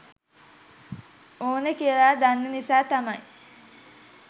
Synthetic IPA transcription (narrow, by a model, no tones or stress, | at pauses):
oːnəkiəlaːd̪anːənisaːt̪amɐj